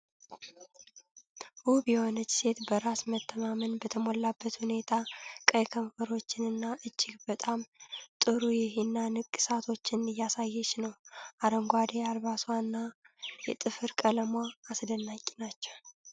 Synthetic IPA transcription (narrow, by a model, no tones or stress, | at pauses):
ʔubjɛho̞nət͡ʃːse̞t̪bəɾasmət̪ʰːəmamənbət̪ʰəmolːabːət̪hune̞t̪ʰakʼəjkʰəɱfəɾo̞t͡ʃːɪnɨnːaʔɨt͡ʃːɪɡbət̪ʼamt̪ʼɨɾujɪhinːanɨkʼːɨsat̪ʰo̞t͡ʃːɪnɨjːasajːɛʃnəwʔaɾəŋɡʷad̪ealβasanːa | jɛt̪ʼɨfɨɾkʼələmwaːsd̪ənːakʲʼːinat͡ʃːɛw